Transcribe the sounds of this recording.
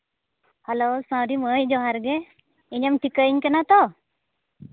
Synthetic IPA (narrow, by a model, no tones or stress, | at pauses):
halosãwɾiməjd͡ʒɔɦaɾɡɛ | iɲəmʈʰikəɲkənat̪ɔ